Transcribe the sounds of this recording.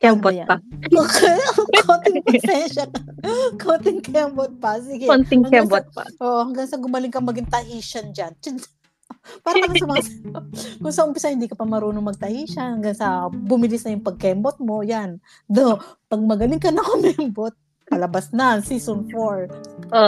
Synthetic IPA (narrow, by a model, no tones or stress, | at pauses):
kɛbojaɐokɐkont̪ɪŋpɐsɛnʃɐkɐkʰont̪ɪŋkɛmbot̪̚pɐsiɡɛontɪŋhɐŋɡɛbɔt̪̚pɐ̰ʔoːʔohɐŋɡaŋsɐɡʊmɐlɪŋkɐŋmɐɡɪŋt̪ɐhiːʃɐnd͡ʒand͡ʒɐnsɐ | paːɾɐk̪ɐkɐsʊmasɐkʊŋsɐʔʊmpɪsɐhɪnd̪iːkɐpɐmɐɾuːnoŋmɐɡ̚t̪ɐhiːʃɐnhɐŋɡaŋsɐbʊmɪlɪsnɐjʊŋpɐɡ̚kɛmbot̪̚mo̞jan | d̪opɐɡ̚mɐɡɐlɪŋkɐnɐkomɛmbot̪̚ | pɐlɐbasnɐŋsiːsonfoɹʔo